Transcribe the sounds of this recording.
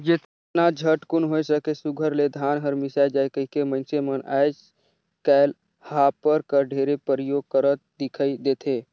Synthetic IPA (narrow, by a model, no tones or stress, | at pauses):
d͡ʒet̪ | nad͡ʒʱəʈkʊnɦojsəkesuɡʱəɾled̪ʱaːnɦəɾmɪsaed͡ʒaːjkəɦikemə̃nseməna̰jd͡ʒ | kɛl | hapːəɾkəɾɖʱeɾepəɾəjoɡ̚kəɾət̪̚d̪ɪkʰːid̪eːt̪ʰe